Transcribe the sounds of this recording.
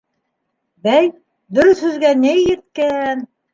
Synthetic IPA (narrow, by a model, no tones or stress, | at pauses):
bæj | d̪ɵ̆ɾɵθhɵ̆zɡænɘjjɘ̆ɾt̪̚kæn